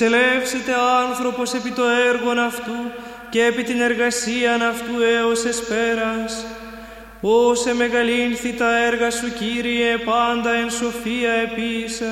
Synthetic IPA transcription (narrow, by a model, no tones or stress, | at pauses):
se̞lefse̞t̪e̞ɐnθɾo̞po̞se̞pit̪o̞e̞ɾɣo̞nɐft̪u | ce̞ːpit̪ine̞ɾɣɐsiɐnɐft̪ueose̞spe̞ɾɐs | ose̞me̞ɣɐlinθit̪ɐeɾɣɐsuciɾiepɐnd̪ɐe̞nso̞fiɐe̞pisɐ